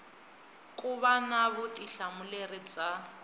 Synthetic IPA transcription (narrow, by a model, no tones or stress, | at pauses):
kʼuβanaβʊtiɬamulerit͡sʼa